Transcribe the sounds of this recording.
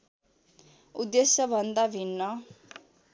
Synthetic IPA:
ud̪esjʌbʱʌnd̪abʱinːʌ

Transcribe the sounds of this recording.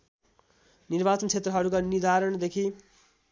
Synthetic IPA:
nirbat͡sʌnt͡sʰet̪rʌɦʌɾukanid̪aɾʌɳd̪ekʰi

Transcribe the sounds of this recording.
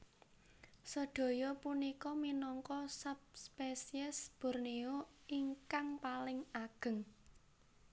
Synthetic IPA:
səɖ̪̥o̤jɔpunikɔminɔŋkɔsap̚spesiɛsb̥ṳrnioiŋkaŋpalɪŋaɡ̥ə̤ŋ

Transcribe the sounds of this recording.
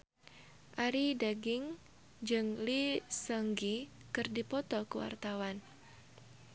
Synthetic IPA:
ʔaɾidaɡɪŋ | d͡ʒɨŋlisəŋɡikɨrdipɔt̪ɔkəwa̰rt̪awan

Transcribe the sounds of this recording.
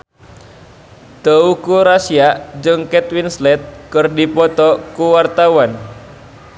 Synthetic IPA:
t̪əukuɾasiad͡ʒɨŋkɛt̪winslɛt̪̚kɨrdipɔt̪ɔkuwart̪awan

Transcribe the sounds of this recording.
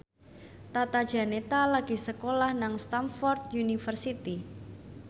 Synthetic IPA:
t̪at̪ad̥ʒ̥a̤net̪alaɡ̥i̤səkolahnaŋst̪amfɔrt̪̚junifərsit̪i

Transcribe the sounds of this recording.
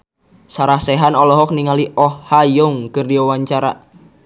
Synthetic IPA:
saɾahseɦanɔlɔɦɔk̚niŋaliʔɔhːajʊŋkərdiwawaɲt͡ʃaɾa

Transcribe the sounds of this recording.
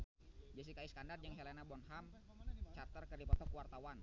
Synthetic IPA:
d͡ʒɛs̬ikaiskandard͡ʒəŋɦelɛnabɔnɦam | t͡ʃart̪ərkərdipɔt̪ɔkwart̪awan

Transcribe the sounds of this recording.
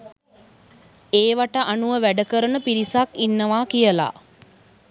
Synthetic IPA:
eːʋaʈəʔanuʋəʋæɖəkəɾənəpiɾisakinːəʋaːkijəla̰

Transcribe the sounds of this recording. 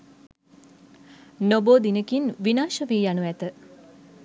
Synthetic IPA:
noboːd̪inəkinʋinaːʃəʋiːjanuæt̪ə

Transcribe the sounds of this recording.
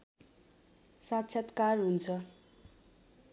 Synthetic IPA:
sat̪t͡sʰat̪karɦunt͡sʰʌ

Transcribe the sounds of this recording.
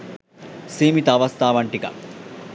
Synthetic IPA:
seːmit̪ɐːʋɐst̪ʰaːʋɐɳʈikɐ̰

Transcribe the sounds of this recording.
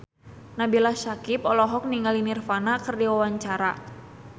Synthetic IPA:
nabilahsakipɔlɔɦɔk̚niŋalinirfanakɨrdiwawaɲt͡ʃaɾa

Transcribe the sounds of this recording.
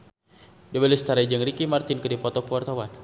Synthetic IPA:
dəbɛlɛst̪aɾad͡ʒəŋrikimart̪ɪnkədipɔt̪ɔkəwart̪awan

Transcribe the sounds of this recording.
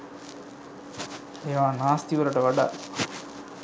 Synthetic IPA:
eʋaːnaːst̪iʋəɾəʈəʋaɖa̰

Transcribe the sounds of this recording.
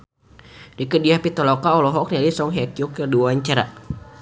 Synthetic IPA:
dikədiahpit̪ɔlɔkaɔlɔɦɔk̚nalisɔŋɦakiukəduwaɲt͡ʃaɾa

